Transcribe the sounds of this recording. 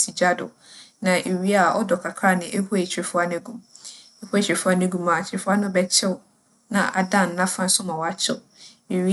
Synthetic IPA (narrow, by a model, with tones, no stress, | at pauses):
si˨d͡ʑa˦dʊ̰˨ | nã˨ʔe˨ɥi˦a˦˨ɔ˦dɔ˨kʰa˨kʰɾa˦nɪ̃˨ʔe˦hu˦e˨t͡ɕʰɾɪ˨fʊ˦a˦n˦ɛ̃˦ɡũ˦m | e˦hu˦ɛ˨t͡ɕʰɾe˨fʊ˦a˦nɛ̃˦ɡũ˦ma˨t͡ɕʰɪ˨fʊ˦a˦nʊ̃˦bɛ˦t͡ɕʰɪ˦w | nã̰˨ʔa˨dã˦˨n̩˨nã˦fã˦n̩˦sʊ˦mã˨wɔ˨a˦t͡ɕʰɪ˦ | e˨ɥi˦